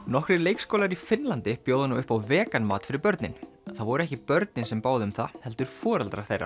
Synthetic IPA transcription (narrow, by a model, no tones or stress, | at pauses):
nɔhkɾɪɾleːjkskoːwlaɾifɪnlant̪ɪpjoːwðanaʏhpawvɛːkanmaːt̪fɪɾɪɾpœɾt̪nɪ̰n | θaðvɔɾʏɾɛhcɪpœɾt̪nɪnsɛmpaːwðɪʏmθahɛl̪t̪ʏɾ̥fɔːɾalt̪ɾa̰ɾ̥θejrːa̰